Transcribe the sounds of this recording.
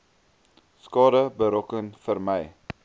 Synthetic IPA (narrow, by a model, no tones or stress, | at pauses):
skɑːdəbəɾɔkənfərməj